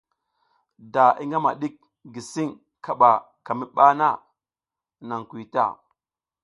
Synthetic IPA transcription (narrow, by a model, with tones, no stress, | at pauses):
da˨i˦ŋɡa˦ma̰˨ɗi˦k̚ | ɡi˨si˦ŋ | kʰa˨ɓa˨ | ka˨mi˦ɓa˦na˦˨ | na˨ŋkwi˨ta̰˦˨